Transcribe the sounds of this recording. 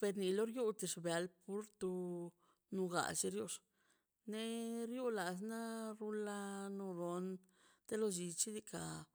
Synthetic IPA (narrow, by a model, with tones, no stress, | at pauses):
pe˧ɾni˧lo˦ɾju˦t̪i˧ʂbja˨˧lpu˦ɾt̪u˧ | nu˧ɡa̰˨t͡ʃe˧ɾjo˧ʂ | ne˦ɾju˦la˨s̬na˦ɾu˦la˧no˧ɾo˨˧n | t̪e˦lo˧d͡ʒi˧t͡ʃi˦d̪i˧ka˨